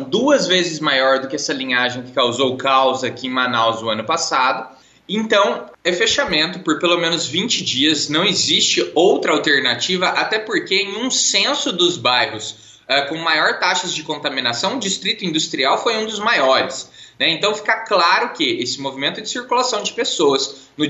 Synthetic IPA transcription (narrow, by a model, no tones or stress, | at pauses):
d̪uɐzvezɪzmajɔɾd̪ʊkɪɛsɐlĩɲaʒẽj̃kɪ̥kawzowkawzɐkɪẽmanawzʊɐ̃nʊpasad̪ʊ | ẽnt̪ɐ̃w̃ | ɛfeʃamẽnt̪ʊpoɾpelomẽnʊzvĩnt͡ʃɪd͡ʒiɐznɐ̃w̃ezist͡ʃɪowt̪ɾɐawt̪eɾnat͡ʃivɐʔat̪ɛpoɾkeẽj̃ũsẽsʊd̪ʊzbajɦʊs | ɛkõmajɔɾt̪aʃɐzd͡ʒɪkõnt̪amĩnasɐ̃w̃ʊd͡ʒist̪ɾit̪ʊĩnd̪ust̪ɾiawfojũd̪ʊzmajɔɾɪsnɛẽnt̪ɐ̃w̃fi̥kaklaɾʊkɪesɪmovimẽnt̪ʊd͡ʒɪsiɾkulasɐ̃w̃d͡ʒɪpesoɐsnʊ